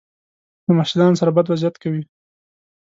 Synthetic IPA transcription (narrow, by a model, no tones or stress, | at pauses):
d̪̥əmaʃɪd̪ɑnsaɾabad̪wazjat̪kawi